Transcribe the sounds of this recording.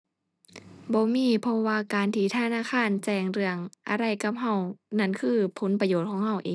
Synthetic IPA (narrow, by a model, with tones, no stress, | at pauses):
bɔː˧˦miː˧˥˨pʰɔ˧waː˧kaː˨nt̪ʰiː˧˩t̪ʰa˧˨naː˧˨kʰaː˧˥˨nt͡ɕɛː˧˩ŋɾɯ˧˩əŋʔa̰˧ɾa˧˩jka˧˩p̚ɦa˧˩wna˧˥˨nkʰɯː˧˩pʰo˨˧˦npa˧joː˧˩t̪̚kʰɔː˧˦ŋhɦa˧˩wʔeː˨˦